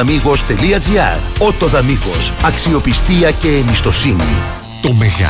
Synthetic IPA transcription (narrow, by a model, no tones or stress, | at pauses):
ɐmiɣo̞st̪e̞liɐd͡ziɐ̰ɾo̞t̪o̞ðɐmiɣo̞sɐksio̞pist̪iɐce̞ːmist̪o̞sinḭ | t̪omeɣɐ̰